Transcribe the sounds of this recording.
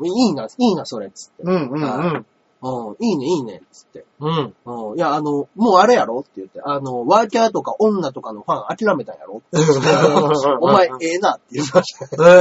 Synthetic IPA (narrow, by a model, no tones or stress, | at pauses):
iiːnaiːnaso̞ɾe̞t͡sɨ̥t̪ːẽã | ɯ̃ːiːne̞iːne̞̰t͡sɨ̥t̪ːe̞ɯ̃ːjaːnomo̞ːaɾejaɾo̞t̪ːe̞jɯ̟t̪ːe̞ʔano̞βakʲat̪o̞kaʔõ̞nːat̪o̞kano̞ɸãɰ̃akʲiɾame̞t̪ã̰ja̰ɾo̞t̪ːeɯeaomaeeːnat̪ːejɯ̟t̪aɕ